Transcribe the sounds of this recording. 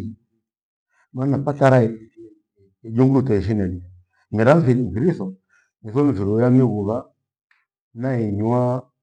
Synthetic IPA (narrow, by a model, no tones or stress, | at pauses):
manapataɾa | d͡ʒuŋɡulutaiʃ̬inɛli | miɾaɱviɾɱ̩viɾiθɔ | miθɔɱviɾɔjamiɣuβa | naiɲua